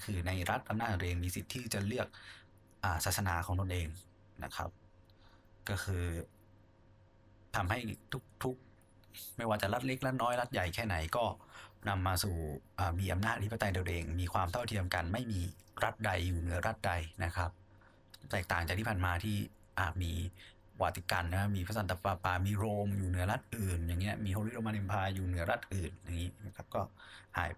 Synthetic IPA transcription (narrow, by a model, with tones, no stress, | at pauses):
kʰɯː˧na˧jɾa˦˥t̪̚ʔa˧mnaː˥˩˧ʔeː˧ŋmiː˧si˨˩t̪ʰːiː˥˩t͡ɕa˨˩lɯ˥˩ək̚ | ʔaː˨˩saː˨˩sa˧naː˨˦kʰɔː˩˦ŋt̪o˧nʔeː˧ŋ | na̰˦˥kʰa̰˦˥p̚ | kɔː˥˩kʰɯː˧ | t̪ʰa˧mha˥˩jt̪ʰu˦˥k̚t̪ʰu˦˥k̚ | ma˥˩jwaː˧t͡ɕa˨˩ɾa˦˥t̪̚le˦˥k̚ɾa˦˥t̪̚nɔː˦˥jɾa˦˥t̪̚ja˨˩jkʰɛː˥˩na˩˦jkɔː˥˩na˧mːaː˧suː˨˩ʔaː˨˩miː˧ʔa˧mnaː˥˩t̪̚ʔa˦tʰi˥˩˧t̪a˧di˧ʔeː˧ŋmiː˧kʰwaː˧mt̪ʰa˥˩wt̪ʰi˧əmka˧nma˥˩jmiː˧ | ɾa˦˥t̪̚da˧jːuː˨˩nɯ˩˦ɐɾʔa˦˥t̪̚da˧jna˦˥kʰa˦˥p̚ | t̪ɛː˨˩k̚t̪aː˨˩ŋt͡ɕaː˨˩k̪̚ʰiː˥˩pʰaː˨˩nmaː˧t̪ʰiː˥˩ | ʔaː˨˩miː˧ | waː˨˩t̪i˧˩ka˧nːa˦˥kʰa˦˥miː˧pʰa˦˥s̬a˧˦t̪a˧˩paː˧paː˧˩miː˧ɾoː˧mjuː˨˩nɯ˩˦ɐɾa˦˥t̪̚ʔɯː˨˩nja˨˩ŋːi˦˥ɐmiː˧hoː˧ɾiː˦˥ɾo˧mʔa˧e˧mpʰaː˧juː˨˩nɯ˩˦ɐɾa˦˥t̪̚ʔɯː˨˩nja˨˩ŋːiː˦˥na˦˥kʰa˦˥p̚kɔː˥˩ha̰ː˨˩˦j